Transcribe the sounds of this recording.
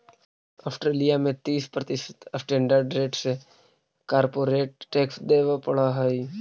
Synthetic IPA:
aːsʈɾeːlijamẽt̪iːspɾət̪ɪʃət̪əsʈẽːɳɖəɾɖɾeːʈse | kaːɾpoːɾeːʈ̚ːeːksd̪eːʋapəɽaɦəj

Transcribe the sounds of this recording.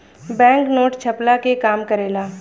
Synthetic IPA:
bɛ̃ːŋknoːʈt͡ʃʰɐplakekaːmkəɾeːlaː

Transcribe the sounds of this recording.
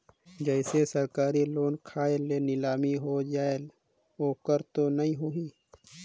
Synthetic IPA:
d͡ʒəɪsesəɾkaːɾiloːnkʰaːelenɪlaːmiɦod͡ʒaːel | oːkəɾt̪onɐɦĩɦuiː

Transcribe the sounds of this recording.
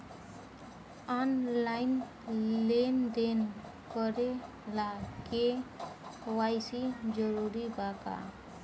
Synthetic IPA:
anlaɪn | lend̪en | kəɾe | lake | wajsid͡ʒəɾuɾibʱaka̰

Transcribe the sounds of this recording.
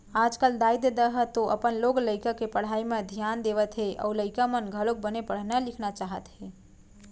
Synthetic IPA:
ad͡ʒkəld̪aid̪d̪əɦət̪oʔəpənloɡləɪkakepəɽ̤aimẽd̪ʱijand̪eʋət̪ɦeʔɔ̰uləɪkamənɡʱəlok̚bənepəɽ̤nalɪkʰnat͡ʃaɦət̪ɦe

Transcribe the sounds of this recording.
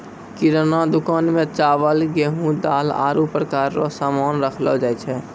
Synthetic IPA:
kɪɾnad̪ʊkaːnmẽt͡ʃaːʋəlɡeɦũd̪aːla̰ːɾupɾəkaːɾɾo̰saːmaːnɾəkʰlod͡ʒaːet͡ʃʰɛ

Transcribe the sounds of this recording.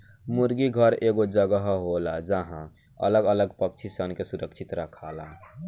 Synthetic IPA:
mʊɾɡiɡʱəɾeːɡod͡ʒəɡəɦɦolad͡ʒəɦã | ə̰ləɡələɡpəkt͡ʃʰisənkesʊɾʔəkʃʰɪt̪ɾəkʰaːla

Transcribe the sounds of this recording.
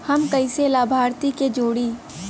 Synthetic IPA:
hɐmkɐɪselaːbʱaːɾt̪iked͡ʒoːɽiː

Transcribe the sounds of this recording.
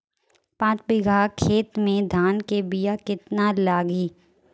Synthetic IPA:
pãːt͡ʃbɪɡʱaːkʰeːt̪mẽd̪ʱaːnkebɪjakɪt̪nalaːɡiː

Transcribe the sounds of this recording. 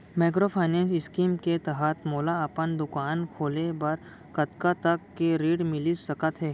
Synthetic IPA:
maːk̬ɾopʰaːɪnɛ̃ːnsɪskiːmket̪ɐɦət̪mɔːlaɐpənd̪ʊkaːnkʰoːlebɐɾ | kɐt̪kat̪ɐkːeɾiːɖmɪlisɐkət̪ɦɛː

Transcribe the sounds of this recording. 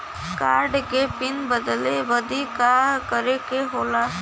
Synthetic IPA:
kaːɾɖkepɪnbəd̪leʋəd̪ikakəɾekeɦoːla

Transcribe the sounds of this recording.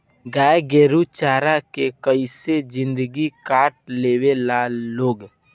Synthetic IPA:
ɡaːeɡeːɾut͡ʃaːɾakekəised͡ʒɪ̃nd̪əɡikaːʈ̚leːwelaloːɡ

